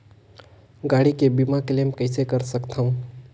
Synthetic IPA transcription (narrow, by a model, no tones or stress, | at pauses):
ɡaɽikebimaklemkəɪsekəɾsəkt̪ʰaũ